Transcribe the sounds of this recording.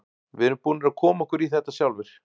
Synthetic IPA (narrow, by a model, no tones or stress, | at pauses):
vɪɾʏmpuːnɪɾaðkʰɔːmaɛhkvʏɾiθɛht̪ːasjawlvɪɾ̥